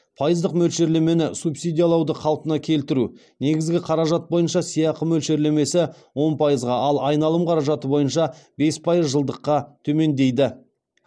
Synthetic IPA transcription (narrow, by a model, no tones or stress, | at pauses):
pʰɑjəzd̪əqmɵlʃe̞ɾle̞me̞nɪsupsijd̪ʲijɑlˠɑwd̪əqʰɑlˠpənɑkʲʰe̞lt̪ɪɾu | ne̞ɡʲɪzɡʲɪqʰɑɾɑʒɑt̪̚bo̞jənʃɑsijɑqəmɵlʃe̞ɾle̞me̞sɪ | wo̞npʰɑjəzʁɑɑlˠɑjnɑlˠəmqʰɑɾɑʒɑt̪əbo̞jənʃɑbe̞spʰɑjəzʒəlˠd̪əqːɑt̪ʰɵme̞nd̪e̞jd̪ɪ